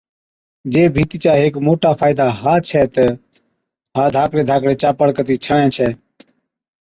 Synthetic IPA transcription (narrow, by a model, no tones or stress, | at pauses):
d͡ʒeːbʱiːt̪iːt͡ʃaːɦeːkmoːʈaːpʰaːɪd̪ʱaːɦaːt͡ʃʰɛːt̪ə | ɦãːd̪ʱaːkɽeːd̪ʱaːkɽeːt͡ʃaːpəɽkət̪iːt͡ʃʰəɳɛ̃ːt͡ʃʰɛː